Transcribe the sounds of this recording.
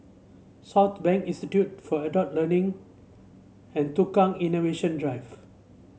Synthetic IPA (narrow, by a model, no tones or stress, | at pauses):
sɔt̪bɛ̃ŋkĩnstitjut̚fɔədɔt̚lənĩŋ | ɛ̃ntukãŋinoveʃə̃ndɹajv